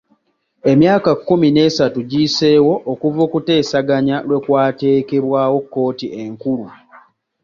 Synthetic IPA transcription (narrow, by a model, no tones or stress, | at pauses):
e̞mjaːkakːumine̞ːsatuɟise̞ːwo̞ʔːkuvoːkute̞ːsaɡaɲalwe̞kwaːte̞ːke̞βwaːwo̞kːo̞ːtiʔeŋkulu